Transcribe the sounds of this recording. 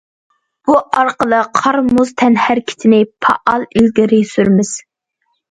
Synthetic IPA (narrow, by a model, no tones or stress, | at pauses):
b̥uʔɑɾqəlˠəqʰɑɾmuz̥t̪ʰɛnhæɾkʲʰi̥t̪ʰɪnɪpʰɑ̰ʔɑlˠylɡʲiɾɪsyɾmɪz̥